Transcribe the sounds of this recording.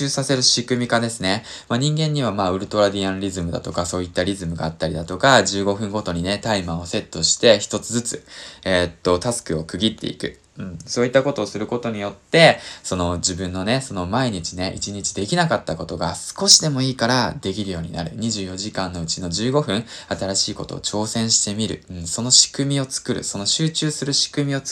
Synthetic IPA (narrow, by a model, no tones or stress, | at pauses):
ɨːsase̞ɾɯ̟ɕikɯ̟mʲikad̪e̞sɨne̞ | maɲ̟ĩŋɡẽ̞ɲ̟ːiβ̞amaːɯ̟ɾɯ̟t̪o̞ɾad̪ʲiãnɾʲizɨmɯ̟d̪a̰t̪o̞kaso̞ːit̪ːaɾʲizɨmɯ̟ɡa̰ːt̪ːaɾʲid̪at̪o̞kaʑɨːɡo̞ɸɯ̟̃ŋɡo̞t̪o̞ɲ̟ine̞t̪aimao̞se̞t̪ːo̞ɕi̥t̪e̞çi̥t̪o̞t͡sɨzɨt͡sɨ̰et̪ːo̞t̪asɨ̥kɯ̟o̞kɯ̟ɡʲit̪ːe̞̰ḭkɯ̟̰ | ɯ̟̃ɴsoːit̪ːako̞t̪o̞ːsɨɾɯ̟ko̞t̪o̞ɲ̟ijo̞t̪ːe̞so̞no̞d͡ʑibɯ̟̃nːo̞ne̞so̞no̞maiɲ̟it͡ɕine̞ʔḭt͡ɕiɲ̟it͡ɕi̥d̪e̞kʲinakat̪ːako̞t̪o̞ɡasɨ̥ko̞ɕid̪e̞mo̞iːkaɾad̪e̞kʲiɾɯ̟jo̞ːɲ̟ḭna̰ɾɯ̟̰ɲ̟iʑɨːjo̞ʑikãnːo̞ɯ̟t͡ɕino̞ʑɨːɡo̞ɸɯ̟̃ɴ̃at̪aɾaɕiːko̞t̪o̞̰ːt͡ɕo̞ːsẽ̞ɰ̃ɕi̥t̪e̞mʲiɾɯ̟̰ɯ̟̃ɴso̞no̞ɕi̥kɯ̟mʲio̞t͡sɨ̥kɯ̟ɾɯ̟̰so̞no̞ɕɨːt͡ɕɨːsɨɾɯ̟ɕi̥kɯ̟mʲio̞t͡s